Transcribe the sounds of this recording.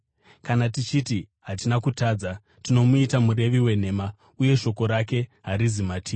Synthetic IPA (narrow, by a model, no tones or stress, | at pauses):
kanatit͡ʃiti | ɦatinakutaːd͡za | tino̞muitamuɾe̞ʋiwe̞n̤e̞ːma | uje̞ʃo̞ko̞ɾak̬e̞ɦaɾizimatʰiː